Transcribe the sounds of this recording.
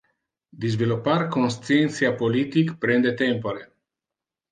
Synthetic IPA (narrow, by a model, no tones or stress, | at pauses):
d̪izviloparkonst̪sient̪sjapolit̪ikpɾend̪et̪empoɾe